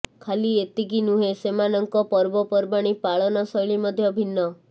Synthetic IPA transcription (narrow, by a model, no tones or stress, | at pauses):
kʰaliet̪iɡinuɦesemanɔŋkɔpɔɾbɔpɔɾbaɽ̃ipaɭɔnɔsɔjɭimɔd̪ʱjɔbʱinːɔ